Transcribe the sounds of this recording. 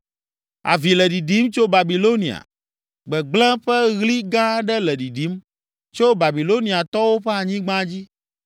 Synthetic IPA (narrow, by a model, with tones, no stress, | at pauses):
a̰˨vi˨lɛ˨ɖi˨ɖi˨˦mt͡ʃo˦ba˨bi˨lo˦nĩ˨a̰˨ | ɡ͡bɛ˨ɡ͡blɛ̃˦ɸɛ˦ɣli˦ɡã˦ɖɛ˦lɛ˨ɖi˨ɖi˨˦m | t͡ʃo˦ba˨bi˨lo˦nĩ˨a˨t̪ɔ˦wo˦ɸɛ˦a˨ɲĩ˦ɡ͡bã˦d͡ʑi˦